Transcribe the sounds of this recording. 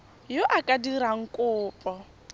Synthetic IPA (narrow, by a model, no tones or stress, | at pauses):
joʔakʼadiɾaŋ̩kʼʊːpʼɔ